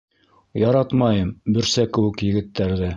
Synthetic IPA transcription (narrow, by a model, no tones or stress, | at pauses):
jɑɾɑt̪mɑjɤmbɵ̆ɾsækɘ̆wɘ̆kjɘ̆ɡɘ̆t̪ʰːæɾðɘ